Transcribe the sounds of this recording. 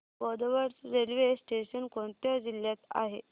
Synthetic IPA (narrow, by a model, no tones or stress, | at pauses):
bɔd̪ʋəɾt͡sɾelʋesʈeɕənkõɳt̪jad͡ʑiljat̪a̰ɦe